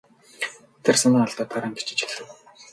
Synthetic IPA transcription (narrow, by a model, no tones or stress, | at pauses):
t̪ʰersamăːŋɔɮt̪ɔːt̪ʰaɾaːŋɡe̥t͡ɕɪ̥̆t͡ɕɪ̥̆xɮɘ̆w